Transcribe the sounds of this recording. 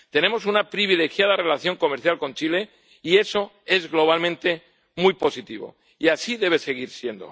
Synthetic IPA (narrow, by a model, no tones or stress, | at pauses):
t̪e̞ne̞mo̞s̬unapɾiβ̞ile̞xjað̞are̞laθjo̞ŋko̞meɾθjalko̞nt͡ʃile̞ | ie̞so̞ | e̞zɣlo̞β̞almẽnt̪e̞ | mujpo̞sit̪iβ̞o̞̰ | iasiðe̞β̞e̞se̞ɣ̞iɾsje̞nd̪o̞̰